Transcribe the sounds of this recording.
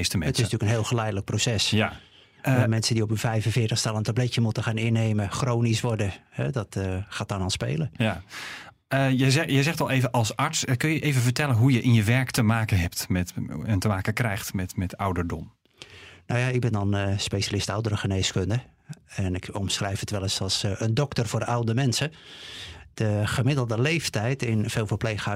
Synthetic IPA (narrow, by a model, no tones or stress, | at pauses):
stəmɛətɪsntyəkənɦeːlˠxəlɛjdələk̚prowsɛsja | mɛnsəndiopynfɛjvənfɪːtəxstalˠəntablɛtəmutəxaːnɪneːməxroːnisʋɔɹdəhɛ̰dɔtxaːt̚dɔnɔlˠspḛːləja | əjəzɛjəjzɛxtɔlˠejvənʔɑlˠsɑɹtskønjəʔeːvənvəɹtɛlənɦujəʔɪnjəʋɛɹktəmaːkənɦɛp̚tmɛtɛntəmaːkəkrɛjxtmɛtmɛtawdəɹdɔm | nowjaɪɡ̚bɪndɔnspeʃalɪstawdəɾəχəneːskøndə | ɛnɪkɔmsxrɛjfətʋɛlˠəsɔlˠsəndɔktərvoːrawdəmɛnsə | d̥əχəmɪdəlˠdəlejftɛjtɪnfeːlˠfəpleːxa